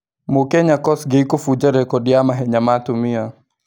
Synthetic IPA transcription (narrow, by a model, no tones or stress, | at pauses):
mokɛɲakɔsɡeikofud͡ʒaɾɛkɔdɪjamaɦɛɲamatʊmia